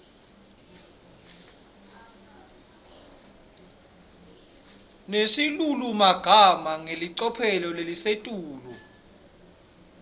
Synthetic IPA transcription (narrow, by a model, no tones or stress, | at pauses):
nesilulumaɡ̥ʱamaŋeliǀɔpʰɛlɔlelisetʼuːlu